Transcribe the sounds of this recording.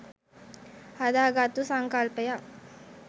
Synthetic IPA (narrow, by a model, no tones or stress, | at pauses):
had̪aːɡat̪usaŋkalpəja